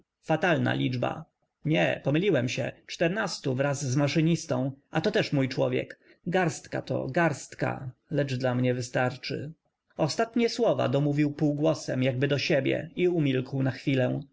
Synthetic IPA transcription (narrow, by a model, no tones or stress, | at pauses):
fat̪alna̰lʲid͡ʐba̰ | ɲɛ̰pɔmɘlʲiwɛmɕɛ̰t͡ʂt̪ɛɾnast̪uvɾazːmaʂɘɲist̪ɔ̃w̃at̪ɔt̪ɛʂmujt͡ʂwɔvʲjɛ̰k | ɡaɾst̪ka̰t̪ɔ̰ɡaɾst̪ka̰lɛd͡ʐd̪lamɲɛvɘst̪aɾt͡ʂɘ̰ | ɔst̪at̪ɲɛswɔva̰d̪ɔmuvʲiwpuwɡwɔsɛmjaɡ̚bɘd̪ɔɕebʲjɛ̰iumʲilkwnaxfʲilɛ̃